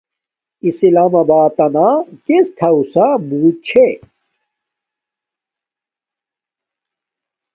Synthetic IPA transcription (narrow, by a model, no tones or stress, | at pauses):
isilamɐbaːt̪ɐnakest̪ʰɐusabuːt̪̚t͡ɕʰe